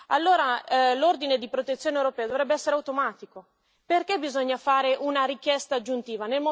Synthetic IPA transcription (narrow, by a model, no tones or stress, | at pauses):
a̰lːoːɾalord̪ined̪ipɾot̪et̪sːjoːnewɾopɛːad̪ovɾɛbːeɛsːeɾeawt̪omaːt̪iko | perkebizoɲːafaːɾeʔunaɾik̟jɛst̪aːd͡ʒːunt̪iːvanelmo